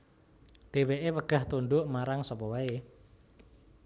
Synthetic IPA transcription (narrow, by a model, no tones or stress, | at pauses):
ɖ̥e̤weʔewəɡ̥a̤ht̪unɖʊʔmaɾaŋsɔpɔwae